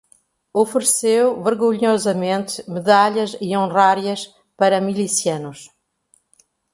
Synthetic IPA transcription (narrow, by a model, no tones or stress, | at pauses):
ofɨɾɨsewvɨɾɣuɲɔzɐmẽnt̪ɨmɨðaʎɐziõʁaɾjɐʃ | pɐɾɐmilˠisiɐnʊʃ